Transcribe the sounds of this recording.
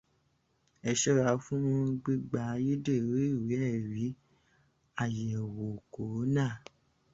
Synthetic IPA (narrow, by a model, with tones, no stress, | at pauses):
ɛ˨ʃɛ˦ɾa˧˦fũ˦ũ˦ɡ͡bi˦ɡ͡ba˨˦ji˦de˦˨ɾe˦i˦˨wi˨˦ɛ˦˨ɾi˨˦ | a˦˨jɛ˨wo˨ko˨˦nã˦˨